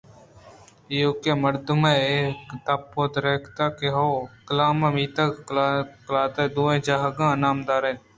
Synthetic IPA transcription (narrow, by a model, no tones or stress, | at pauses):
iːʊkeːməɾd̪ʊmeekt̪aːpːoːd̪ɾeːkʰt̪aːkeɦoːkəlaːmãmiːt̪aklklaːt̪eːd̪uːẽːd͡ʒaːɦəɡãːnaːmd̪aːɾeːn